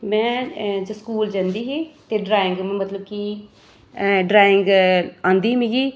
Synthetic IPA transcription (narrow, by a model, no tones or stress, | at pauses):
mɛ̃ːd͡ʒəskuːld͡ʒãːnd̪iːɦeːt̪eːɖɾaːɪ̃ŋɡmət̪ləb̚ki | ɖɾaːɪŋɡãːnd̪iːmĩːɡiː